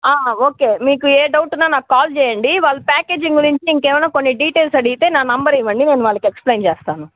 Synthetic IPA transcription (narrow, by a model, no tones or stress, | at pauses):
aːoːke̞ːmiːkueːɖɐwʈunːaːnaːkukaːlt͡ʃɛːjɐɳɖiʋaːlːɐpaːkeːd͡ʒiŋɡuɾiɲt͡ʃiiŋkeːʋɐlaːkonːiɖiːʈeːlsɐɽiit̪e̞ːnaːnɐmbɐɾiʋɐɳɖine̞ːnuʋaːlːɐkieksplejnt͡ʃeːst̪aːnu